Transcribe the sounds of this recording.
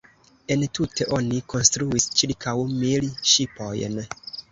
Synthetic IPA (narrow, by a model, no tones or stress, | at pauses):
entʰutʰe̞ʔo̞nikʰo̞nstɾuist͡ʃiɾkʰawmilʃipo̞jn